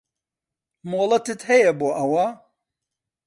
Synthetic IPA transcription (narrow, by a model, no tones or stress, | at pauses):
moːlˠɐt̪ɨt̪hɛjɛboːʔɐwɐ